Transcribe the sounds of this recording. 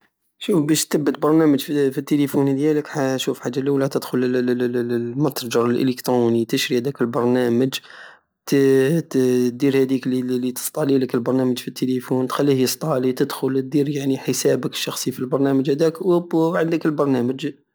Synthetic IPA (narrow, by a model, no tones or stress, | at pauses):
ʃufbæʃt̪əbːət̪̚bɑɾˤnæməd͡ʒffit̪ːelifund̪jæləkħʃufħad͡ʒːaliwlæt̪əd̪xʊl | mət̪ɾˤd͡ʒɑɾˤəlʔə̰ləkt̪ɾunit̪əʃɾihæd̪ækəlbɑɾˤnæməd͡ʒ | t̪ | d̪iɾhæd̪iklilit̪ə̥st̪ˤɑliləkəlbɑɾˤnæməd͡ʒfit̪ːelifunt̪xælːihjəst̪ˤɑlit̪əd̪xʊlt̪̚d̪iɾjaʕniħəsæbəkə̥ʃːɑxsˤifilbɑɾˤnæməd͡ʒhæd̪ækwəbʕənd̪əkəlbɑɾˤnæməd͡ʒ